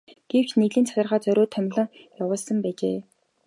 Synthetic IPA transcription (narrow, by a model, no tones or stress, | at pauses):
ɡ̥ew̥t͡ɕneɣɮiːnt͡sʰatʲɪ̆rʁaːt͡sœɾʲoːt̪ʰːœmʲɮɞ̆ŋjawʊːɮsə̆mpæːt͡ɕeː